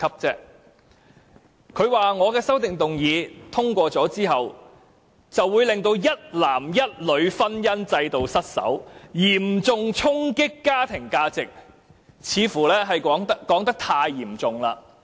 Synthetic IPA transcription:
kʰɐ˥p̚t͡sɛː˥ | kʰɵ˨˧ɥwaː˨˩ŋɔː˨˧kɛː˧sɐ˥wt̪ɪ˨ŋt̪ʊ˨ŋjiː˨˧t̪ʰʊ˥ŋkʷɔː˧t͡sɔː˨˥t͡siː˥ɦɐ˨w | t͡sɐ˨wːuː˨˧jlɪ˨ŋt̪o˧wjɐ˥t̚laː˨˩mjɐ˥t̚lɵ˨˧ɥfɐ˥njɐ˥nt͡sɐ˧jt̪o˨wsɐ˥t̚sɐ̰˨˥wjiː˨˩mt͡sʊ˨ŋt͡sʰʊ˥ŋkɪ˥kːaː˥t̪ʰɪ˨˩ŋkaː˥t͡sɪ˨k̚ | t͡sʰiː˨˧fuː˨˩lɛː˥ɦɐ˨jɔ˨˥ŋɐ˥kɔː˨˥ŋt̪ɐ˥k̚t̪ʰaː˧jːiː˨˩mt͡sʊ˨ŋlaː˧

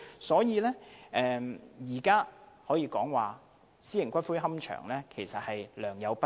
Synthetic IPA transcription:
sɔː˨˥jiː˧lɛ˥ʔɛː˨˧jiː˨˩kaː˥ | hɔː˨˥jiː˨˧kɔː˨˥ŋwaː˨ | siː˥jɪ˨˩ŋkʷɐ˥t̚fuː˥jɦɐ˥mt͡ʃʰœ̰ː˨˩ŋlɛː˥kʰe˨˩jsɐ˨t̚hɐ˨jlœː˨˩ŋjɐ˨˧wpɐ˥

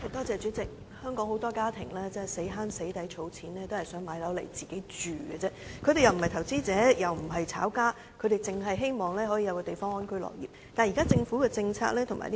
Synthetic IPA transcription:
hɐ˨jt̪ɔː˥t͡sɛː˨˧t͡ʃyː˨˥t͡sɪ˨k̚ | hœː˥ŋkɔː˨˥ŋho˨˥wt̪ɔː˥kaː˥t̪ʰɪ˨˩ŋlɛː˥t͡sɛː˥se˨˥jɦaː˥nse˨˥jt̪ɐ˨˥jt͡ʃʰo˨˧wt͡sʰiː˨˥nlɛː˥t̪o˥hɐ˨˩jsœː˨˥ŋmaː˨˧˥jlɐ˨˥wlḛ˨˩jt͡siː˨ke˨˥jt͡ʃyː˨ɡɛ˧t͡sɛː˥kʰɵ˧t̪e˨jɐ˨wm̩˨˩hɐ˨jt̪ʰɐ˨˩wt͡siː˥t͡sɛː˨˥jɐ˨wm̩˨˩ɦɐ˨jt͡sʰa̰ː˨˥wkaː˥ | kʰɵ˧t̪e˨˩jt͡sɪ˨ŋɦɐ˨jɦe˥jmɔː˨ŋlɛː˥ɦɔː˨˥jiː˨˧jɐ˨˧wkɔː˧t̪e˨jfɔː˥ŋɔː˥nkʰɵ˥jlɔ̰ː˨˩k̚jiː˨˩t̪aː˨nji˨kaː˥t͡sɪ˧ŋfuː˨˥kɛː˧t͡sɪ˧ŋt͡sʰa̰ː˧k̚lɛː˥t̪ʰʊ˨˩ŋma̰ː˨˩l

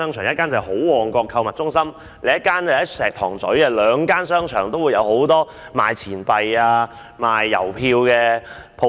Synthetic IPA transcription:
œː˥ŋt͡ʃʰœː˨˩ŋjɐ˥t̚kːaː˥nt͡sɐ˨ho˨˥wwɔː˨˩ŋkɔː˧kʰːɐ˧wmɐ˨t̚t͡sʊ˥ŋsɐ˥m | le˨˧˥jɐ˥t̚kːaː˥nɐ˨˩hɐ˨˥jsɛː˨˩k̚t̪ʰɔː˨˩ŋt͡sɵ˨˥ɥɛ˧lœː˨˧ŋkaː˥nsœː˥ŋt͡ʃʰœː˨˩ŋt̪o˥wu˨˧jɐ˨˧who˨˥wt̪ɔː˥ | ma̰ː˨jt͡sʰiː˨˩npɐ˨jaː˧ | maː˨˩jːɐ̰˨˩wpʰiː˧wkɛː˧ | pʰo˧

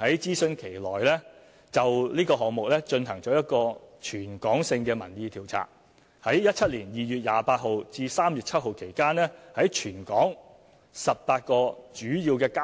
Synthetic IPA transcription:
hɐ˨˥jt͡siː˥sɵ˧nkʰe˨˩jlɔː˨˩jlɛː˥ | t͡sɐ˨wliː˥kɔː˧ɦɔː˨ŋ̚mʊ˨k̚lɛː˥t͡ʃɵ˧nɦɐ˨˩ŋt͡ʃɔː˨˥jɐ˥t̚kɔː˧t͡ʃʰyː˨˩nkɔː˨˥ŋsɪ˧ŋkɛː˧mɐ̰˨˩njiː˧t̪ʰiː˨˩wt͡sʰa̰ː˨˩k̚ | hɐ˨˥jjɐ˥t̚ʰɐ˥t̚liː˨˩njiː˨jyː˨˧t̚jaː˨˧paː˧t̚ɦo˨˧wt͡siː˧saː˥mjyː˨t̚t͡sʰɐ˥t̚ho˨˧wkʰe˨˩jkaː˥nlɛː˥hɐ˨˥jt͡ʃʰyː˨˩nkɔː˨˥ŋ | sɐ˨p̚paː˧t̚kɔː˧t͡ʃyː˨˥jiː˧wkɛː˧ka˥

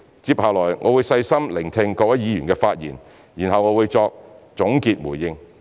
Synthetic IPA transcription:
t͡siː˧p̚haː˨˩lɔː˨˩jŋʔɔː˨˧wuː˨˧jsɐ˧jsɐ˥mlɪ˨˩ŋt̪ʰɪ˧ŋkɔː˧k̚wɐ˦˥jjiː˨˧jyː˨˩nkɛː˧faː˧t̚jḭː˨˩n | jiː˨˩nhɐ˨wŋɔː˨˧wuː˨˧jt͡sɔː˧k̚t͡sʊ˨˥ŋkiː˧t̚muː˨˩jjɪ˧ŋ

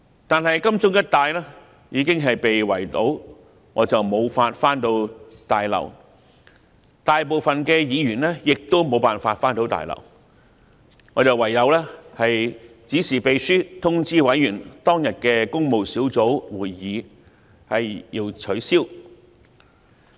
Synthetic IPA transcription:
t̪aː˨nɦɐ˨jkɐ˥mt͡sʊ˥ŋjɐ˥t̚t̪aː˨jlɛː˥ | jiː˨˧kɪ˥ŋɦɐ˨jpe˨jwɐ̰˨˩jt̪o˨˥w | ŋɔː˨˧t͡sɐ˨wmo˨˧wfaː˧t̚faː˥nt̪o˧wt̪aː˨jlɐ̰˨˩w | t̪aː˨jp̬o˨˧wfɐ˨nkɛː˧jiː˨˧ɥyː˨˩nlɛː˥jɪ˨k̚t̪o˥wmo˨˧wpaː˨nfaː˧t̚faː˥nt̪o˨˥wt̪a̰ː˨jlɐ̰˨˩w | ŋɔː˨˧t͡sɐ˨wɐ˨˩jːɐ˨˧wlɛː˥hɐ˨j | t͡siː˨˥siː˨pe˨jsyː˥t̪ʰʊ˥ŋt͡siː˥wɐ˨˥jːyː˨˩nt̪ɔː˥ŋjɐ˨t̚kɛː˧kʊ˥ŋmo˨wsiː˨˥wt͡so˨˥wwuː˨˩jːiː˨˧ | hɐ˨jjiː˧wt͡sʰɵ˨˥siː˥w

